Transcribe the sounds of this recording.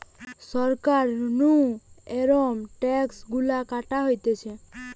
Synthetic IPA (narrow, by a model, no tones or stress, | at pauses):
sɔɾkaɾnũeɾɔmʈɛksɡulakaʈaɦojt̪et͡ʃʰe